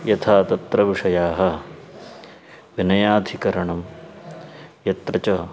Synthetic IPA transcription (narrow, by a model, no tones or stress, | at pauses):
jɐt̪ʰaːt̪ɐt̪ɾɐʋiʂɐjaːɦɐ | ʋinɐjaːd̪ʱikɐɾɐɳɐm | jɐt̪ɾɐt͡ʃɐ